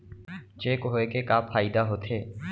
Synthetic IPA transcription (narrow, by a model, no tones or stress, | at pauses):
t͡ʃeːkɦoːekekaːpʰaːɪd̪aːɦoːt̪ʰeː